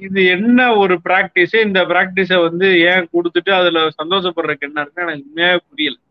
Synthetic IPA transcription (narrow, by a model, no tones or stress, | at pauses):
ɪðɯɛnːɐɔɾɯpɪɾaːk̚ʈɪsɪnd̪ɐpɪɾaːk̚ʈɪs̬ɛʋɐnd̪ɯẽːkɔɽɯt̪ːɯʈːɯɐðɪlɐsɐnd̪oːʂɐpːɐɽɾɐkːɛnːɐɾɯkːɯ̃ɛnɐkːɯʊmɐjaːpʊɽɪjɐlɛ̃